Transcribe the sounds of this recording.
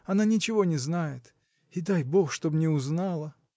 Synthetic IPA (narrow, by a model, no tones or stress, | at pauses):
ɐnanʲɪt͡ɕɪvo̞nʲɪznajɪt̪ | ɪd̪ajboxʂt̪o̞bmnʲɪʊznalˠə